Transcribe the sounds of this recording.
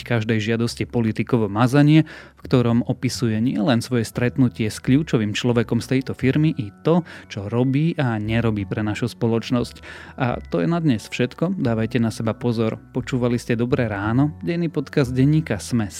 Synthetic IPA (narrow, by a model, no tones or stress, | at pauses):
kaʒd̪ɛjʒɪad̪ɔscipɔlit̪ikɔʋɔmazaɲɪɛfkt̪ɔɾɔmɔpisujɛɲɪɛlɛnsʋɔjɛst̪ɾɛt̪nucɪɛskʎuːt͡ʃɔʋimt͡ʃlɔʋɛkɔmst̪ɛjt̪ɔfiɾmiʔit̪ɔt͡ʃɔɾɔbiːʔaɲɛɾɔbiːpɾɛnaʃuspɔlɔt͡ʃnɔscʔa̰t̪ɔjɛnad̪ɲɛsfʃɛt̪kɔd̪aːʋajcɛnasɛbapɔzɔɾpɔt͡ʃuːʋaliscɛd̪ɔbɾɛɾaːnɔɟɛjniːpɔt̪kazɟɛɲːiːkasmɛs